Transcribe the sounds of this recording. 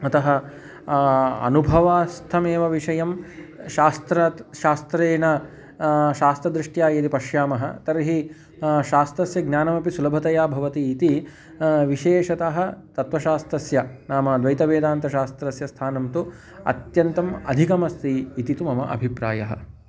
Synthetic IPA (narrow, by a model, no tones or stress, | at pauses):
ɐt̪ɐɦɐ | ɐ̰nubʱɐʋaːst̪ʰɐmeːʋɐʋiʂɐjɐmʃaːst̪ɾɐʃaːst̪ɾeːnɐ | ʃaːst̪ɾɐd̪ɾiʂʈjaːjed̪ipɐʃjaːmɐɦɐ̰t̪ɐɾɦi | ʃaːst̪ɾɐsjɐɡnʲjaːnɐmɐpisulɐbʱɐt̪ɐjaːbʱɐʋɐt̪iːt̪i | ʋiʃeːʃɐt̪aɦɐ̆t̪ɐt̪ʋɐʃaːst̪ɾɐsjɐnaːmad̪ʋɐjt̪ɐʋeːd̪aːnt̪ɐʃaːst̪ɾɐsjɐst̪ʰaːnɐmt̪u | ɐ̰t̪jɐnt̪ɐmɐ̰d̪ʱikɐmɐst̪iːt̪it̪umɐmɐʔɐ̰bʱipɾa̰ːjɐɦɐ̰